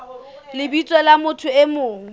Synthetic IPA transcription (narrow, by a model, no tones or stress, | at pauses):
lɪbit͡sʼwɛlamʊtʰʊemoːŋ̩